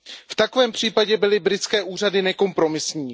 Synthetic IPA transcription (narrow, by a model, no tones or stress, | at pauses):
ft̪ako̞vɛːmpr̝̥iːpaɟɛbɪlɪbɾɪt͡skɛːʔuːradɪnɛko̞mpɾo̞mɪsɲiː